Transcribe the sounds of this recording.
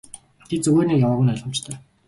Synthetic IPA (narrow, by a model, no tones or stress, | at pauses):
t̪ʰet̪̚t͡sɵɣeːrniːjawăːʁʊ̆naɮɞ̆mt͡ɕt̪ʰœː